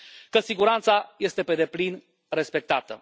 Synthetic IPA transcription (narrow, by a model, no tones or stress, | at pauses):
kəsiɡuɾant̪saje̞st̪e̞pe̞d̪e̞plin | re̞spe̞k̚t̪at̪ə̰